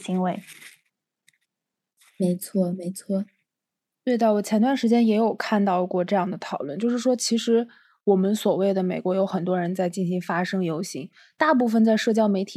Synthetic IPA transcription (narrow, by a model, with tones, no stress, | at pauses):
ɕi˧˥ŋwe˧˥˩ɪ | me˧˥ɪt͡sʰwɔ˥˩me˧˥ɪt͡sʰwɔ˥˩ | t̪we˥˩ɪd̪ə˩wɔ˨˩t͡ɕʰjɛ˧˥nt̪wnʂɻ̩˧˥t͡ɕjɛ˥njɛ˧˥jo˨˩ʊkʰa˥˧nt̪ɑ˥˧ʊkwɔ˥˧ʈ͡ʂɤ˥˧jɑ˥˩ŋd̪ə˩t̪ʰɑ˨˩ʊlwə˥˩˧nt͡ɕjo˥˧ʊʂɻ̩˥˩ʂwɔ˥t͡ɕʰi˧˥ʂɻ̩˧˥ | wɔ˨˩mə˦nswɔ˨˩we˥˩ɪd̪ə˩me˨˩ɪkwɔ˧˥jo˧˥ʊxə˨˩nt̪̬wɔ˥ɻə˧˥nt͡sa˥˧ɪt͡ɕi˥˩nɕi˧˥ŋfa˥ʂɤ˥ŋjo˧˥ʊɕi˧˥ŋ | t̪a˥˧p̬u˥˩fə˨nt͡sa˥˧ɪʂɤ˥˩t͡ɕjɑ˥ʊme˧˥ɪt̪ʰi˨˩